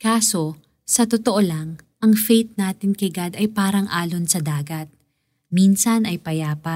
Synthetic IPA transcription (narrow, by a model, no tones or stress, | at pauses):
kaːso̞ | sɐt̪ot̪oʔolɐŋ | ʔɐŋfejt̪̚naːt̪ɪnkɐɡad̪ɐjpaːɾɐŋʔaːlonsɐd̪aːɡɐt̪̚ | minsɐnɐjpɐjaːpɐ